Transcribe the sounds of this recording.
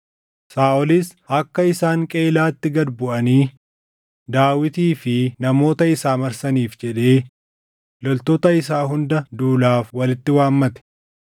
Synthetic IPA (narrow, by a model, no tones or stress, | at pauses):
saːʔɔlɪsɐkːɐɪsaːŋkʼe̞ːlaːt̪ːɪɡɐd̪bʊʔɐniː | d̪aːwɪt̪iːfɪnɐmo̞ːt̪ɐɪsaːmɐɾsɐniːfd͡ʒɛᶑe̞ː | lɔlt̪oːt̪ɐɪs̬aːɦʊnd̪ɐd̪uːlaːfwɐlɪt̪ːɪwaːmːɐt̪ɛ̥